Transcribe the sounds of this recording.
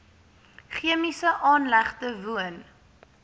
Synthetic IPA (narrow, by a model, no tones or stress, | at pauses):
χiəmisəʔɑːnlæχtəvuən